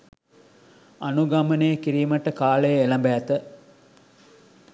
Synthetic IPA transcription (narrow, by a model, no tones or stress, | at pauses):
anuɡamənejəkiɾiːməʈəkaːləjəelɐmbæːt̪ə